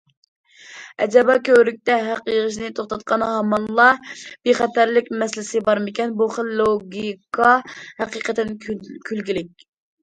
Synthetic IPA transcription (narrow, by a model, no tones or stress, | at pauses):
ɛd͡ʒɛbɑkʲʰøɾyk̚ʲt̪ɛɦæqjəʁəʃ̬nɪt̪ʰoχt̪ʰɑt̪̚qʰɑnhɑmɑnlˠɑb̥eχɛt̪æɾlɪkʲmɛslɪsɪbɑɾmɪkʲɛnbuχəlloɡʲikʰɑhæqiqət̪ɪnkʲʰylɡʲilɪk̚ʲ